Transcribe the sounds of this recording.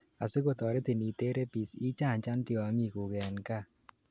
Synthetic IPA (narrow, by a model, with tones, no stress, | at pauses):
a˨sɪ˦ko˨tɔ˨ɾe˦t̪i˨ni˨te˦ɾe˦pi˨si˦t͡ʃa˦˨ɲt͡ʃa˦ntjɔ˨a˦ŋi˨ku˨kɛ˨nka˦˨